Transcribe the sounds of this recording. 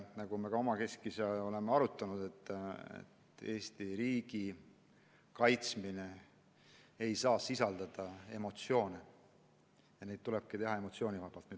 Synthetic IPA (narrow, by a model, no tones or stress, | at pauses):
nɑɡume̞ɡɑo̞mɑke̞skiseo̞le̞meɑɾut̪ːˑɑnud̪̥e̞t̪ːˑḛt̪ːe̞ːst̪iɾiːɡ̥i | kɑjt̪smine̞ | ejsɑːsisɑld̪̥ɑd̪̥ɑe̞mo̞t̪sjo̞ːne | jɑne̞jd̪̚t̪uleb̥̚kit̪e̞ɦɑe̞mo̞t̪sio̞ːnivɑb̥ɑlt̪ny